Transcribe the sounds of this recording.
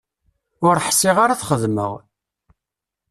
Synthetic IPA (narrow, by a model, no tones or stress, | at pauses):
ʊɾħsɪʁaɾaθχəðmə̰ʁ